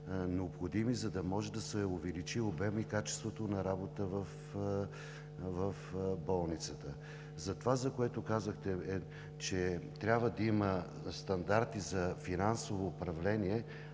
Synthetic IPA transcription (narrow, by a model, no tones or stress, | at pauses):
nɛopxod̪imizɐd̪ɐmɔʒɛd̪ɐsɛʊvɛlit͡ʃiobɛmikat͡ʃɛ̥st̪vot̪onɐɾabot̪əvəf | vəfbɔlˠnit̪sət̪ə | zɐt̪ovazɐkoɛt̪okazəxt̪ɛ | t͡ʃɛt̪ɾʲabvəd̪ɐimə | st̪ɐnd̪aɾt̪izɐfinansovoːpɾɐvlɛniɛ